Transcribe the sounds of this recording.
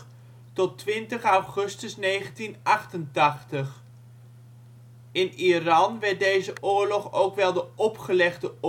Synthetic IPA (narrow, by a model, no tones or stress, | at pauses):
tɔtʋɪntəχawχɵstəsnejχəntinɑχtəntɑχtəχ | ɪnirɑnʋɛɹt̚dejzəʔʊːɹlɔχowkʋɛlˠdəʔɔpχəlɛχdə